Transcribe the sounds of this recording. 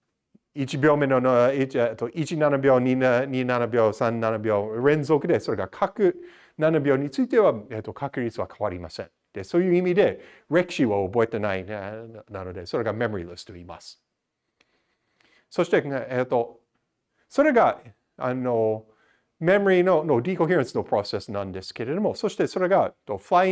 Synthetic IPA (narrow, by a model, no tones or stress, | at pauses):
it͡ʃibjoːmenoniet̪ːoʔit͡ʃinanabjoːniɲʲinanabjoːsãnːanabjoɾẽnzokɯd̪e̞soɾeɡakʰakɨ | nanabjoːɲʲit͡sɨit̪e̞waet̪ːokʰakɨɾit͡sɨakʰawaɾima̰sḛ̃n | d̪̥esojɨimid̪e̞ | ɹekʃiβaoboet̪enainano̞d̪e̞so̞ɾe̞ɡamemoɾḭlɨst̪oima̰s | soʃt̪e̞et̪ːo | so̞ɾe̞ɡa | ano | memoɾinonod̪ikoɦiɹãnsnopʰɾosesnãnd̪e̞ske̞ɾe̞d̪omososi̥t̪e̞so̞ɾe̞ɡat̪ːofla